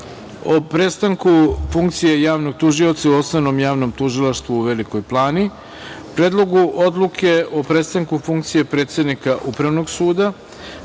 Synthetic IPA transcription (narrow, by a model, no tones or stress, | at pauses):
o̞pɾest̪aŋkufuŋkt̪sijejaːʋno̞ɡ̚t̪uʒiot̪sauo̞snono̞mjaːʋno̞mt̪uʒilˠaʃt̪ʋuːʋe̞liko̞jplˠaːni | pɾeːd̪lˠo̞ɡuʔo̞d̪lˠukʰe̞o̞pɾest̪aŋkufuŋk̚t̪sije̞pɾet̪se̞d̪nikaʔupɾaʋno̞ɡsuːd̪a